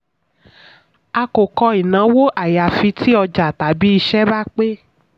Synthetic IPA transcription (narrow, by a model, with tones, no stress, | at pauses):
a˧ko˨kɔ˧i˨nã˨˦wo˦ʔa˨ja˨fi˧tʰi˦ɔ˧d͡ʒa˨ta˨bi˨˦i˧ʃɛ˦ba˦k͡pe˦